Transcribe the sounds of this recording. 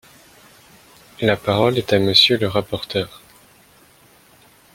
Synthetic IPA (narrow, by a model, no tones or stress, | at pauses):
lapaʁɔlɛt̪aməsjøləʁapɔʁt̪œːʁ